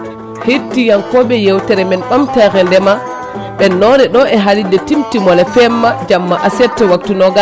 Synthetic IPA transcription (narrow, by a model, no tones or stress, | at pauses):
hitːijankɔɓɛjewtɛɾɛmɛnɗɔmtɛkɛndɛma | ɓɛnɔɾɛɗɔɛɦalidɛtimtimɔlɛfɛmːad͡ʒamːaʔasɛtːɛwak̚tunɔɡa